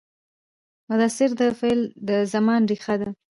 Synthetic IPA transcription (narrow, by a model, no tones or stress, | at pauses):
mʊd̪ɑsɪɾd̪əfeld̪əzamɑnɾixad̪a